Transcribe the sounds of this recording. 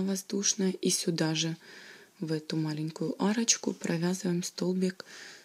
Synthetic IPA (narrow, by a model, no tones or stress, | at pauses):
vɐzd̪uʂnɐisʲʊd̪aʐɨ | vɛt̪ʊmalʲɪnʲkʊjʊʔaɾɐt͡ɕkʊpɾʔɐvʲazɨvəjmst̪olˠbʲik